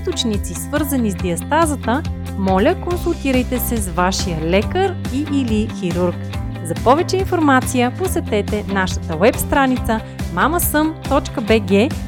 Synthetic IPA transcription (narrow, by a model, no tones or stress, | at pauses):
iist̪ot͡ʃnit̪sisvɤɾzɐnizd̪iɐst̪azət̪ə | mɔlʲəkonsulˠt̪iɾəjt̪ɛsɛsvaʃijəlɛkəɾ | iʔːlixiɾuɾk | zɐpɔvɛt͡ʃɛinfoɾmat̪sijəposɛt̪ɛt̪ɛnaʃə̥t̪əwɛpst̪ɾanit̪sə | maməsɤmt̪ɔt͡ʃkəbɛɡɛ